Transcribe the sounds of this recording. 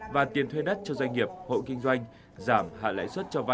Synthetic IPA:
vaː˨˩t̪i˨˩ənt̪ʰwe˧ɗə˦˥t̚t͡ɕɔ˧zwa˧jŋ̟ŋi˨˩əp̚ho̰˧˨kï˧ŋ̟zwa˧jŋ̟ | zaː˧˩mha̰ː˧˨la̰ː˧˥jswə˦˥t̚t͡ɕɔ˧va˧

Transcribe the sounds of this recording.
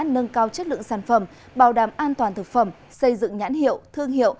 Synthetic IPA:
nə˧nkaː˧wt͡ɕə˦˥t̚lɨ̰˧˨ə˨ŋsaː˧˩nfə˨˩m | ɓaː˨˩wɗaː˨˩mʔaː˧nt̪waː˨˩nt̪ʰɨ˨˩k̚fə˨˧˩m | sə˧jzɨ̰˧˨ŋɲa̰ː˧˥nhḭ˧˨əwt̪ʰɨ˧əŋɦḭ˧˨əw

